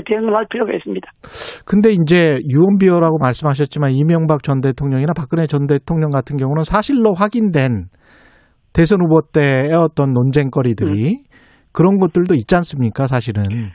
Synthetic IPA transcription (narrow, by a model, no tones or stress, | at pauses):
teɯnmaɭpʰjiɾjoɡaes͈ɯmɲid̥ḁkɯnde̞ind͡ʑe̞juwʌnbiʌɾaɡomaɭs͈ɯmɦaɕ̬ʰʌt̚t͡ɕ͈imanimjʌŋbak̚t͡ɕʌnde̞tʰoŋɲʌŋinapak͈ɯne̞t͡ɕʌnde̞tʰoŋɲʌŋɡatʰɯnɡjʌŋunɯnsʰaɕʰiɭːoɸwaɡindwe̞n | te̞sʰʌnubʌt͈e̞ːʌt͈ʌnːond͡ʑe̞ŋk͈ʌɾidɯɾi | kɯɾʌnɡʌt̚t͈ɯɭdoit̚t͡ɕ͈ans͈ɯmɲik͈as̬ʰaɕʰiɾɯn